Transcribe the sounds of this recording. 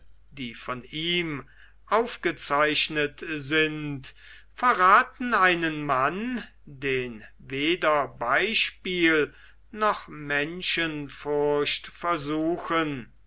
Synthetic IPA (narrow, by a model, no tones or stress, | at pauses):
d̥iːfɔniːm | ʔaʊfɡ̥ət͡saɪʃnətzɪnt | fɛɐʁaːtn̩aɪnənman | deːn | veːdɐbaɪʃpiːl | nɔχmɛnʃənfʊɐɕtfɛɐzuːxən